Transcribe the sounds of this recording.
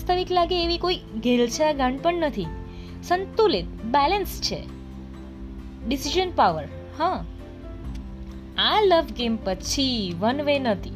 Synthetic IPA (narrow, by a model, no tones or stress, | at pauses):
st̪ʰaʋiklaɡeːʋikoiɡʱelt͡ʃʰeaɡãɳɖpəɳnət̪ʰi | sənt̪ulit̪̚bɛlənst͡ʃʰḛ | ɖisiʒənpaʋəɾ | hã | aləʋɡempət͡ʃʰiʋənʋenət̪ʰi